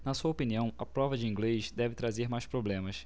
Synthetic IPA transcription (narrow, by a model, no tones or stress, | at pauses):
nɐsuɐopiniɐ̃w̃ɐpɾɔvɐd͡ʒɪĩŋɡleʃd̪ɛvɪt̪ɾazeɾmajʃpɾoblẽmɐs